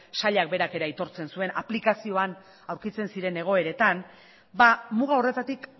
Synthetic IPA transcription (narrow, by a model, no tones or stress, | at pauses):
saʎak̚be̞ɾake̞ɾait̪o̞ɾt͡se̞nsue̞naplikasio̞an | awɾkit͡se̞nsiɾe̞ne̞ɣ̞o̞e̞ɾe̞t̪an | bamuɣao̞re̞t̪at̪ik